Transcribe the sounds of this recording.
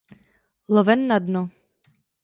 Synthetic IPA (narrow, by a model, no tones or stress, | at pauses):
lovɛnːadno